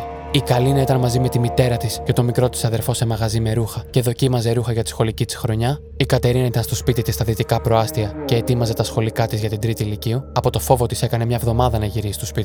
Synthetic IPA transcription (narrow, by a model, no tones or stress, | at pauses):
ikɐlinɐit̪ɐnmɐzime̞t̪imit̪e̞ɾɐt̪isce̞t̪o̞mikɾo̞t̪i̥sɐðe̞ɾfo̞se̞mɐɣɐzime̞ɾuxɐce̞ðo̞cimɐze̞ɾuxɐʝɐt̪i̥sxo̞licit̪i̥sxɾo̞ɲɐ | ikɐt̪e̞ɾineit̪ɐnst̪o̞spit̪it̪ist̪ɐðit̪ikɐpɾo̞ɐst̪iɐce̞ːt̪imɐze̞t̪ɐsxo̞likɐt̪izʝɐt̪ind̪ɾit̪iːlicioɐpo̞t̪o̞fo̞vo̞t̪ise̞kɐne̞mɲɐvðo̞mɐðɐnɐʝiɾisi̥st̪ospit̪i